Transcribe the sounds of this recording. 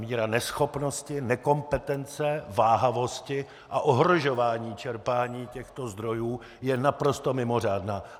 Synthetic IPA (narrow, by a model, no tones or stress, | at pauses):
miːɾanɛsxo̞pno̞scɪnɛko̞mpɛt̪ɛnt͡sɛvaːɦavo̞scɪ | ʔaʔoɦɾoʒo̞vaːɲiːt͡ʃɛɾpaːɲiːcɛxt̪o̞zd̪ɾo̞juː | jɛnapɾo̞st̪o̞mɪmo̞r̝aːdnaː